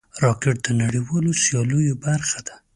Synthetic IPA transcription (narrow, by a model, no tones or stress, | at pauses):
ɾɑkɪʈ̚d̪ənaɽiwɑlosjɑlujobaɾxad̪a